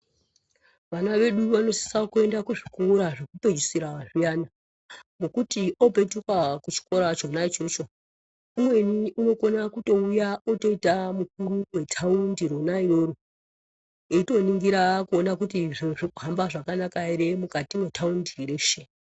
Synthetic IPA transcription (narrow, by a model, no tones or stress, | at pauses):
ʋanaʋe̞ɗuʋano̞si̥sakue̞ndakuʐikuouɾaʐekupe̞d͡ʒusiɾaʐijana | mokutiʔo̞pe̞tukakut͡ʃi̥ko̞ɾat͡ʃonait͡ʃo̞t͡ʃo̞ | umwe̞niuno̞ko̞nakuto̞ujaoto̞itamuk̚uɾuwe̞tʰaundiɾonaiɾo̞ɾo | eito̞niŋɡiɾakuonakutiʐiuʐikuɦambaʐakanakaiɾemukatiwe̞tʰaundiɾe̞ːʃe